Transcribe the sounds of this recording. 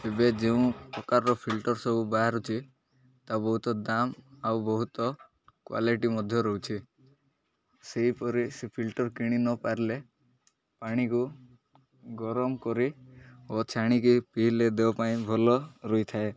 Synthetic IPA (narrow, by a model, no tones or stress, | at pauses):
ebed͡ʒeũpɾɔkaɾːɔpʰilʈɔɾsɔbubaɦaɾut͡ʃʰi | t̪abɔɦut̪ɔd̪amawbɔɦut̪ɔ | kwa̰liʈimɔd̪ʱjɔɾɔɦut͡ʃʰi | seɦipɔɾisepʰilʈɔɾkiɽ̃inɔpaɾle | paɽ̃iku | ɡɔɾɔmkɔɾiot͡ʃʰaɽ̃ikipiɦiled̪ebɔpaĩbʱɔlɔɾɔit̪ʰae